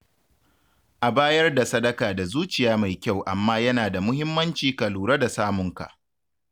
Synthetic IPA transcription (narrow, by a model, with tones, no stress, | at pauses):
ʔa˨baː˦jɐ˦rda˨sɐ˦dɐ˦kaː˨da˨zuː˦t͡ʃɪ˨jaː˦ma˨jkʲa˦˨wʔa˨mːaː˦jɐ˦naː˨da˨mʊ˦hɪ˦mːɐ˦nt͡ʃiː˨kɐ˨luː˨ɾɐ˦da˨saː˦mʊ˨ŋka̰˨ʔ